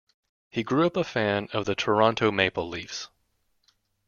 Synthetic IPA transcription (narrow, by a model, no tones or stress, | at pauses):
hiɡɹʉʌpəfæ̃nʌvðɨtʰə˞ɑ̃ntʰoʊmeɪpl̩ˠlifs